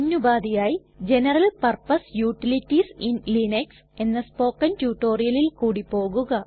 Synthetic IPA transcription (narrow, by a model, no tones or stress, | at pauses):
ɐnːubaːd̪ijaːj | d͡ʑe̞nɐrɐlpɐrpɐsjuːʈːilitːisinlineks | e̞nːɐspo̞ːkːɐntjuːʈːo̞ːrijɐlilkuːɽipːo̞ːɣuɣɐ